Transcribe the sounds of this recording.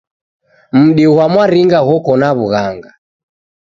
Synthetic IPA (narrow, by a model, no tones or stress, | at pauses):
m̩ɗiwamwaɾiŋɡaɣɔkɔnaβuɣaŋɡa